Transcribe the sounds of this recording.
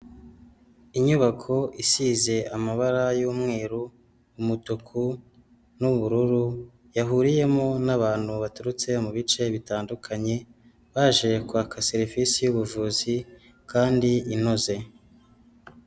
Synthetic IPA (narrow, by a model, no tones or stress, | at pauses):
iɲuβakʰo̞ʔisize̞amaβaɾajuːmŋeːɾuː | mutukʰu | nuβuɾuɾu | jaɦuɾije̞monaβaːn̥huβatuɾut͡se̞muβit͡ʃe̞βitaːndukʰaɲe̞ | βaːʒe̞kwakʰaseɾifisijuβuʒuːzi | kaːndiinoze̞